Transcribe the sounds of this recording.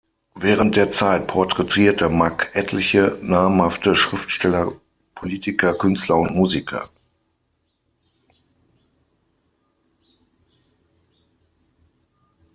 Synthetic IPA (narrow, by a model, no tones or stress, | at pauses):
vɛːʁ̞ənt̚d̥eːɐt͡saɪt̚pʰɔɐtʁ̥ɛtʰiːɐtəmakʰʔɛtʰlɪçənaːmmhaftəʃʁ̥ɪftʃtɛlɐ | pʰoliːtʰɪkʰɐkʰʏnstlɐʊntmuːzikʰɐ̰